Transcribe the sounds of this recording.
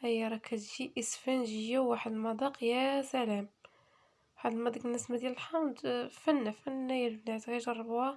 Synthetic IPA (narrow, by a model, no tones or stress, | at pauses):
ʔæjːɑɾˤɑkʰːæt̪ʒiʔəsfænʒəjːæwwaħəd̪əlmɑd̪ˤɑqjæsælæm | waħəd̪əlmɑd̪ˤɑq̚bənːəsmæd̪jæləlħɑmd̪fænːæfænːæjəlbnaʕt̪ɣiʒɑrˤːɑbæ